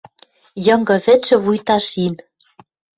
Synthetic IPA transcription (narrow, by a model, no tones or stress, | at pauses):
jɤ̆ŋɡɤ̆βɘ̆t͡ʃɘ̆βujt̪ɑʃin